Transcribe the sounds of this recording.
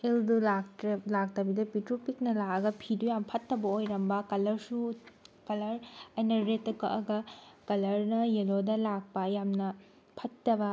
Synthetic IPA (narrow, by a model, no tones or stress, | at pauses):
eldulalak̚tɐbidɐpitɾupik̚nɐlaɐɡɐpʰidujampʰɐtːɐbɐojɾɐmbɐkɐlɐɾsukɐlɐɾɐjnɐɾetːɐkʰɐʔɐɡɐkɐlɐɾnɐjelodɐlak̚pɐjamnɐ | pʰɐtːɐbɐ